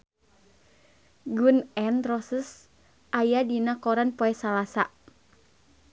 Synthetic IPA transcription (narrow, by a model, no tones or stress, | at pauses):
ɡunɛnrɔsəs | ʔajadinakɔɾanpɔɛsalasa̰